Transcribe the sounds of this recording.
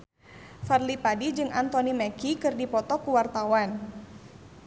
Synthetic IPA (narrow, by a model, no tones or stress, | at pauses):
farlipadid͡ʒɨŋant̪ɔnimɛkikɨrdipɔt̪ɔkuwart̪awan